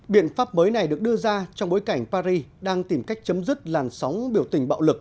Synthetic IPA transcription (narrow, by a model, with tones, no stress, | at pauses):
ɓḭ˧˨ənfaː˦˥p̚məː˨˦jna˨˩jɗɨ˨˩ək̚ɗɨ˧əzaː˧t͡ɕɔ˧wŋ͡mɓo˨˦jka˧˩jŋ̟paː˧ɾi˧ɗaː˧ŋt̪i˨˩mka˦˥jk̟̚t͡ɕə˨˦mzɨ˦˥t̚laː˨˩msɔ˨˦wŋ͡mɓi˧˩əwt̪ï˨˩ŋ̟ɓa̰ː˧˨wlɨ˨˩k̚